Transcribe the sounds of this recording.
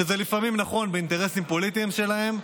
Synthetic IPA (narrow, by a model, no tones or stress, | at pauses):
eze̞lifamimnaχo̞nbeint̪e̞ʁe̞simpo̞lit̪iimʃe̞lahe̞m